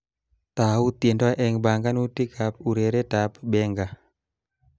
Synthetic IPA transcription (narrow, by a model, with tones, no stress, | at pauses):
t̪a˨u˦t̪e˨ndɔ˦a˦ʔɛ˨ŋba˨ŋɡa˦nu˦ti˦kʰa˨p̚u˨ɾe˨ɾe˦ta˨pbɛ˦ŋɡa˨